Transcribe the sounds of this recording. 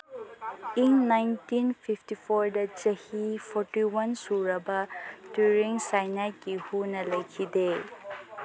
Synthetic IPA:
inːajntinpʰiptipʰɔɾdɐt͡ʃɐhipʰɔɾtiwɐnsuɾɐbadjuɾiŋsajnajkɡihunɐlɐjkʰide

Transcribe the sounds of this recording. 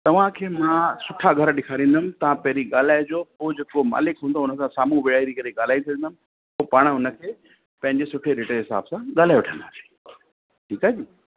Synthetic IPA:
t̪ɐʋ̤ãkʰeːmãsʊʈʰaɡʱɐɾɗɪkʰaːɾĩːnd̪əmɪ̃̆t̪ɐʋ̤ãpɛɦɾiɠaːlaːed͡ʑoːod͡ʑeːkoma̰ːlɪkɦũːnd̪oʊnəsʰãsaːmuʋɪɽaːiɾikɐɾeɠaːl̤aːit̪ʰɐə̃nd̪əmɪ̆ | opaːɽ̃ʊnə̆kʰeː | pɐ̃ɦɪ̃ɲd͡ʑesʊʈʰeɾeʈeɦɪsa̰ːbsãɠaːlaːjoʋʊʈʰə̃nd̪aːsĩ̥ː | ʈʰiːkaːd͡ʑiː

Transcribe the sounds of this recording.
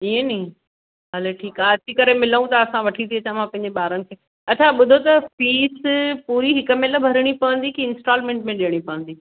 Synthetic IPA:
iẽnɐĩ | ɦɐleʈʰiːkaːɐt͡ɕʰikɐɾemɪləũt̪ɐːsãʋɐʈʰit̪ʰiɐt͡ɕamãpɐ̃ɦɪ̃ɲd͡ʑeɓaːɾənɪ̆kʰeː | ɐt͡ɕʰaɓʊd̪ʱot̪ɐfiːspuːɾiɦɪkəmẽlbʱɐɾɪɽ̃ipɐʋə̃nd̪ikiɪ̃nsʈaːlmẽːɳʈmẽɗiəɽ̃ipɐʋə̃nd̪iː

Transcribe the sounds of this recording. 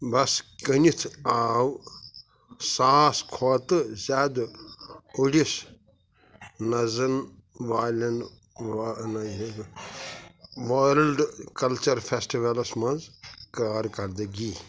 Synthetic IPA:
bɐskənit̪ʰaːw | saːskʰoːt̪ɨzʲaːd̪ | uɽis | nɐzɐnʋaːlʲɐn | ʋanae | ʋoːɾɐlɖkɐlt͡ʃɐɾpʰesʈiʋɐlɐsmɐzkaːɾkɐɾd̪ɨɡi

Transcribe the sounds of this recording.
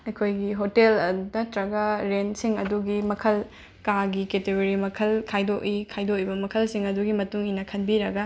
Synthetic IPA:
ɐkʰojɡiɦotelɐdɐtɾɐɡɐɾensiŋɐ̰duɡimɐkʰɐl | kaɡiketeɡoɾimɐkʰɐlkʰajdoʔikʰajdoʔibɐmɐkʰɐlsiŋɐduɡimɐtuŋinɐkʰɐnbiɾɐɡɐ

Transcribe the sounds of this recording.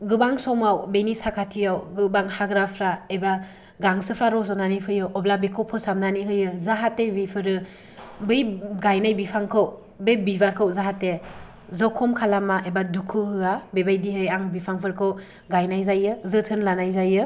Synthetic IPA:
ɡɯbaŋsɔmawbenisakʰatʰiawɡɯbaŋhaɡɾapʰɾaeba | ɡaŋsɯpʰɾaɾɔsɔnanipʰɯjɯwʔɔblabekʰɔwpʰɯsamnaniɦɯjɯzaɦatebejpʰɯɾɯ | bɯjɡajnajbipʰaŋkʰɯw | bejbibaɾkʰɯwzaɦate | zɯwkʰɔmkʰalamaʔebadukʰɯɦɯabebajdiɦɯjaŋbipʰaŋpʰɯɾkʰɯw | ɡajnajzajɯzɯtʰɯnlanajzajɯ

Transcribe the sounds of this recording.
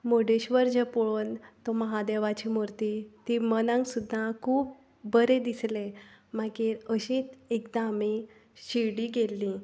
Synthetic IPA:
moɖeɕʋəɾd͡ʑəpoɭont̪ɔməɦad̪eʋat͡ɕimuɾt̪it̪imənãŋksud̪ʱːakʰuːp̚ | bəɾed̪islemakiɾəɕit̪ekd̪ami | ɕiɽiɡelːĩ

